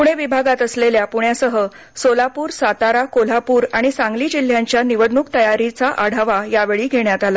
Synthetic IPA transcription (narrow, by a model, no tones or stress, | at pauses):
puɽ̃eʋibʱaɡat̪əsleljapuɳjasəɦə | solapuːɾsat̪aɾakol̤apuːɾaɽ̃isãŋɡliːd͡ʑil̤ːjãɲt͡ɕjaniʋəd̪nukt̪əjaɾit͡saʔaɽ̤ʱaʋajaʋeɭiːɡʱeɳjat̪ala